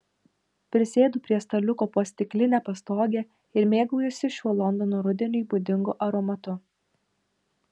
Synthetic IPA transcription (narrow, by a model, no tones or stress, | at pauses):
pʲɾʲɪsʲeːd̪uːpʲɾʲiɛst̪ɐlʲʊkoːpoɔsʲt̪ʲɪklʲɪnʲæːpɐst̪oːɡʲɛ | ɪɾmʲeːɡuːjʊsʲɪʃʲuɔlˠɔnd̪ɔnoːɾʊd̪ʲɛnʲʊiːbʊd̪ʲɪŋɡʊʔɐɾɔmɐt̪ʊ